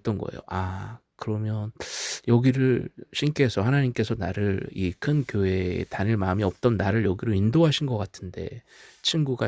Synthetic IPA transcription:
t͈ʌnɡʌ̰ḛjo̰ʔakɯɾʌmjʌnjʌɡiɾɯɭɕʰink͈eːsʰʌhanaɲimk͈e̞sʰʌnaɾɯɭikʰɯnkjoe̞̰taɲiɭmaɯmiʌp̚t͈ʌnːaɾɯɭjʌɡiɾɯindoɦaɕʰinɡʌk͈atʰɯnde̞̰ | t͡ɕʰinɡuɡa

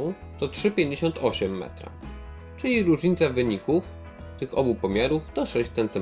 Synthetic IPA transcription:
w̃ | t̪ɔtʂɘpʲjeɲd͡ʑeɕɔnt̪ʰɔɕɛmːɛ̰t̪ɾa̰ | t͡ʂɘlʲiɾuʐɲit̪savɘɲikuf | t̪ɘxɔbupɔmʲjaɾuft̪ɔʂɛɕt͡ɕt̪sɛnt̪ɘ

